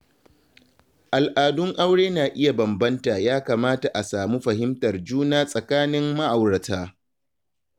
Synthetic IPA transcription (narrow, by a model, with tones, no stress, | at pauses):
ʔa˨lʔaː˨dʊ˦ŋʔa˦wɽeː˦naː˨ʔɪ˦ja˨bɐ˨mbɐ˦nta˨jaː˦kaː˨maː˦ta˨ʔa˨saː˨mu˦ɸɐ˨ɦɪ˦mtɐ˨rd͡ʒuː˦naː˦sʼɐ˨kaː˦nɪ˦mːa˦ʔa˨wɽɐ˨taː˦